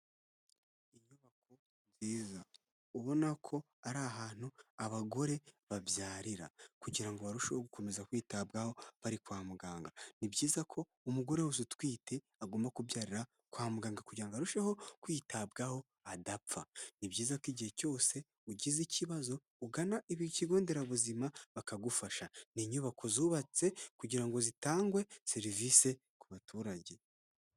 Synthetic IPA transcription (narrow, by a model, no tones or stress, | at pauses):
iɲuβakʰo̞ | mziːza | uβo̞nakʰo̞ | aɾaɦaːn̥huaβaɡo̞ɾe̞βabjaːɾiɾa̰kuɟiɾaŋɡo̞βaɾuʃehoɡuko̞me̞zakwiːtabɡaho̞βaɾikwaːmuɡaːŋɡanibɟjiːzakʰo̞ | umuɡo̞ɾewuzutwiːte̞ | aɡoːmbakubjaːɾiɾa | kwaːmuɡaːŋɡakuɟɾaŋɡaɾuʃeho̞kwiːtʰabɡaho̞ | adapp͡fanibɟiːzakiɟihe̞co̞ːse̞ | uɟiziciβazo̞ | uɡanaʔiβiciɡo̞ːnde̞ɾaβuzimaβakaɡufaʃaniɲuβakʰo̞zuːβat͡se̞kuɟiɾaŋɡo̞zitaːŋɡwe̞seɾivise̞ | kuβatuːɾaɟe̞